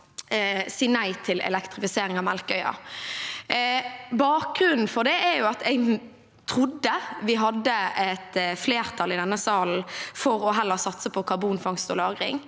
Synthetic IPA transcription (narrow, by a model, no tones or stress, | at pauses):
siːnæɪt̪ʰɪlɛ̰lɛkt̪ʁɪfɪseːʁɪŋɑmɛlkœʏɑ̰ | bɑːk̚ɡ̥ʁʉnn̩fɔʁd̪ɛʔɛjʊɑt̪ɛɪɡ | t̪ʰʁʊd̪ːəʋɪɦɑd̪ːəɛt̪fleːʁt̪ʰɑlɪd̪ɛnːəsɑːln̩fɔʁɔɦɛlːəʁsɑt̪səpʰɔkʰɑʁbuːnfɑŋst̪ɔlɑːɡʁɪ̰ŋ